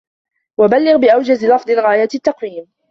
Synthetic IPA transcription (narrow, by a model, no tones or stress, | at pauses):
wabalːɪɣbɪʔawd͡ʒazlɑfd̪ˤɨlɣaːjat̪t̪ːɑqwiːm